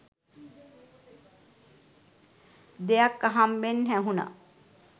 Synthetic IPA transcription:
d̪ejakːaɦambenɦæɦuna̰

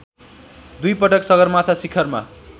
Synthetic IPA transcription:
d̪ujpʌʈʌksʌɡʌrmat̪ʰasikʰʌrma̰

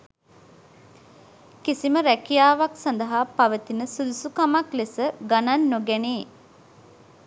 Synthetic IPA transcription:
kisiməɾækijaːʋaksand̪əɦapaʋət̪inəsud̪usukamaklesəɡananːoɡæneː

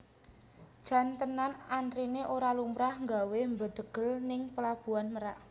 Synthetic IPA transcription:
d̥ʒ̥a̤nt̪ənanant̪ɾineʔoɾalumɾahŋɡawembəd̪̥ə̤ɡ̥ə̤lnɪŋpəlab̥ṳanməɾaʔ

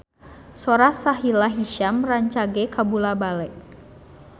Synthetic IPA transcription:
soɾahsaɦilaɦiʃamraɲt͡ʃaɡɛkabulabalɛk̚

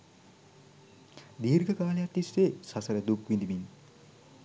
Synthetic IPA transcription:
d̪iːrɡəkaːlejat̪ːisʋeːsasəɾəd̪ukʋind̪imin

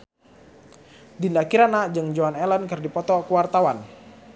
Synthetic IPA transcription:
dindakiɾanad͡ʒəŋd͡ʒoanɛlankɨrdipɔt̪ɔkəwart̪awan

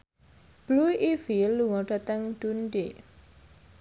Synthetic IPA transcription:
b̥luiʔifilːuŋɔɖ̥a̤t̪əŋd̥unɖe

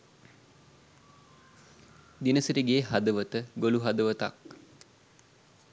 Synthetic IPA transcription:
d̪inəsəɾiɡeːɦad̪əʋət̪əɡoluɦad̪əʋət̪a̰k̚

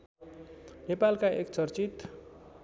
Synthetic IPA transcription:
nepalkaekt͡sʌrt͡sit̪

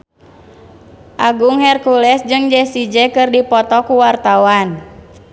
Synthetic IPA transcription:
ʔaɡuŋhɛrkulɛsd͡ʒɨŋd͡ʒɛsid͡ʒɛkɨrdipɔt̪ɔkuwart̪awan

